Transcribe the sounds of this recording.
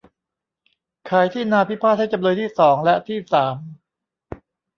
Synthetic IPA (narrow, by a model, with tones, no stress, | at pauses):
kʰaː˩˦jt̪ʰiː˥˩naː˧pʰi˦˥pʰa˦˥˩ha˥˩t͡ɕa˧mnuː˧jt̪ʰiː˥˩sɔː˩˦ŋlɛ˦˥t̪ʰiː˥˩saː˩˦m